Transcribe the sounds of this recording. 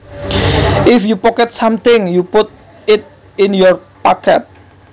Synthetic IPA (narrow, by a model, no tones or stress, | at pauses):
ʔɪfjupɔkɛt̪̚samt̪ɪŋjupʊt̪̚ | ɪt̪̚ | ɪnjɔrpakɛ̰t̪̚